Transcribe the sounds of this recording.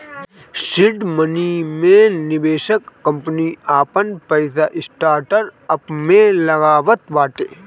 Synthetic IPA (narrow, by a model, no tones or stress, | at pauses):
sɪɖmɐnimẽnɪbeːʃəkːɐ̃mpniaːpənpɐjsaʔɪsʈaːɾʈəɾɐpmẽlɐɣaːʋət̪ʋaːʈeː